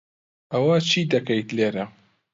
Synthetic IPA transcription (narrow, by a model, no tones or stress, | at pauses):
ʔɐwat͡ʃʰiːd̪ɐkɐjt̪leːɾɐ